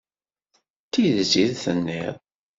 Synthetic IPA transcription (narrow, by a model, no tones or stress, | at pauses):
t̪iðziðθənːḭðˤ